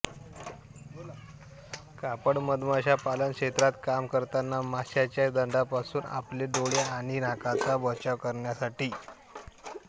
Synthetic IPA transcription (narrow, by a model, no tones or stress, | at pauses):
kapəɽməd̪maɕapalənkʂet̪ɾat̪kamkəɾt̪anːamaɕat͡ɕjad̪əɳɖapasuːna̰pleɖoɭeaɽ̃inakat͡sabət͡ɕaʋkəɾɳjasaʈiː